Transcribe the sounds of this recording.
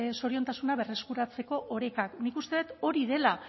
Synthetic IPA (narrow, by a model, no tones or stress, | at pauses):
so̞ɾio̞nt̪asunaβe̞re̞skuɾat͡se̞ko̞ʔoɾekaknikust̪e̞ðet̪o̞ɾiðe̞la